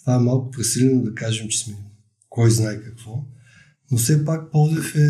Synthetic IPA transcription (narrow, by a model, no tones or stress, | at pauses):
st̪aɛmalˠkʊ̥pɾɛsilʲɛnʊd̪ɐkaʒɛmt͡ʃɛ̥smɛ | kɔjznaɛkɐkvɔ | nosɛpak̚pɔd̪ɛfɛ